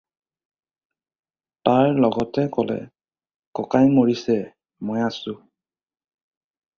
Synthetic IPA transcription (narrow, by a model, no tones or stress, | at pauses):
taɹlɔɡɔtɛkɔlɛ̰ | kɔkajmoɹisɛ | mɔjasʊ̃